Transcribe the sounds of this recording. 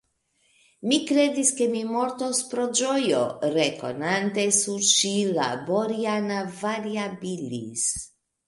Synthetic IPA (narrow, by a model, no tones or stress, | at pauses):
mikɾe̞d̪iske̞mimo̞ɾt̪ospɾo̞d͡ʒo̞jo̰ɾeko̞̰nant̪e̞suɾʃila̰boɾianavaɾiabilḭs